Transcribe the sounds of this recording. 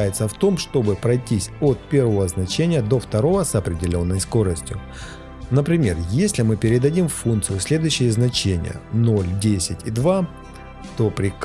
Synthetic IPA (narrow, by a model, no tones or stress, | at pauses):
jɪt̪səft̪o̞mʂt̪o̞bɨpɾɐjtʲisʲot̪̚pʲe̞rvəvəznɐt͡ɕenʲɪjəd̪o̞ft̪ɐɾo̞vəsəpɾʲɪdʲɪlʲo̞nːəjsko̞ɾəsʲtʲjʊ | nəpɾʲɪmʲe̞rjesʲlʲɪmɨpʲɪɾʲɪd̪ɐdʲimfunt̪sɨjʊsʲlʲed̪ʊjʉɕːɪjəznɐt͡ɕenʲɪ̰jə̰no̞lʲdʲesʲɪtʲid̪va | t̪o̞pɾʲɪk